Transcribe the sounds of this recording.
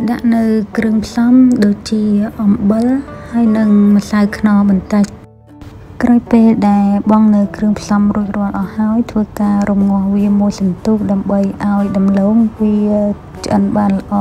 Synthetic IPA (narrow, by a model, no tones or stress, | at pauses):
ɗa̰ʔnɨwkrɨəŋpʰsɑmɗoːc̚t͡ɕiəʔɑmɓɨlhaəjnɨŋməsawkʰnɑːɓɑnt̪əc̚ | krʔawpeːlɗaɛlɓɑŋnɨwkrɨəŋpʰsɑmruəcrɔ̆əlʔɑːhaɔjt̪ʰʋəːkaːrumŋʊ̆əhʋiəmuəjsɑnt̪uːk̚ɗaəmɓəjʔaɔjɗɑmloːŋʋiəə | t͡ɕʔənɓaːnlə̆ʔɑː